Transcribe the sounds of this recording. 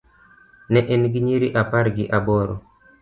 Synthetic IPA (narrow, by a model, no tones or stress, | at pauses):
nɛʔɛnɡɪɲiɾiʔapaɾɡɪʔabɔɾo̰